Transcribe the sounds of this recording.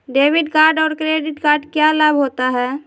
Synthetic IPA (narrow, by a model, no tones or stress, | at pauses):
ɖeːʋɪɖkaːɾɖɔːɾkɾeːɖɪʈɡaːɾɖkjalabɦoːt̪aɦɛː